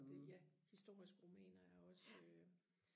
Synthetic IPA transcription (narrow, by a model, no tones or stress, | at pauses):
d̥ejæhisd̥o̝ɐ̰isɡ̥əʁumɛ̰ːnɐæɐɒ̽sø